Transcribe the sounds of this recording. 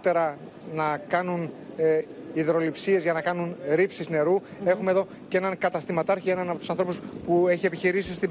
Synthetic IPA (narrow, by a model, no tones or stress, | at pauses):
t̪e̞ɾɐ | nɐkɐnun | iðɾo̞lipsie̞zʝɐnɐkɐnunɾipsizne̞ɾu | e̞xume̞ðo̞ | cee̞nɐŋkɐt̪ɐst̪imɐt̪ɐɾçie̞nɐnɐpot̪usɐnθɾo̞puspue̞çie̞piçiɾisist̪i